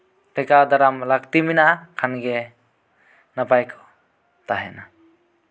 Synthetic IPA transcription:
tɛkad̪aɾamlakt̪iminakʰanɡɛ | napajkʰɔ̥ | t̪aɦɛna

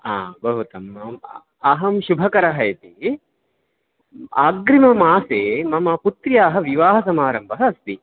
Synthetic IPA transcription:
a̰ːbɐɦut̪ɐm | ɐɦɐmʃubʱɐkɐɾɐɦɐjɐt̪i | a̰ːɡɾimɐmaːseːmɐmɐput̪ɾijaːɦɐ̆ʋiʋaːɦɐsɐmaːɾɐmbʱɐɦɐːst̪i

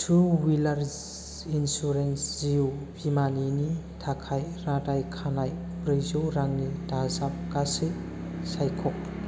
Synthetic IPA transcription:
sʰuwilaɾz | insuɾensziwbʱimanini | tʰakʰajɾadajkʰanaj | pɾɯzuwɾaŋnitazap̚kasi | sajkʰɔk̚

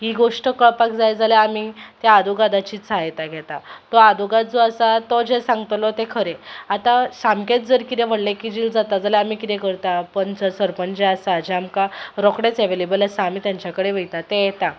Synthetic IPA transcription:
ɦiɡoʂʈəkəɭpak̚d͡zajd͡zalaamit̪jaːd̪uɡad̪at͡ɕiːt͡sajt̪aɡʱɛt̪at̪ɔad̪uɡat̪̚d͡zɔasat̪ɔd͡ʑesãŋɡt̪lɔt̪ekʰəɾeat̪asamket̪̚d͡zəɾkit̪eʋ̤əɽlekid͡ʑild͡zat̪ad͡zaleamikit̪ekəɾt̪apəɳt͡səsəɾpənd͡ʑeasad͡ʑeamkaɾɔkɽet͡sɛʋelebəlasaːmiːt̪jaɲt͡ɕakəɽeʋəjt̪at̪eɛt̪a

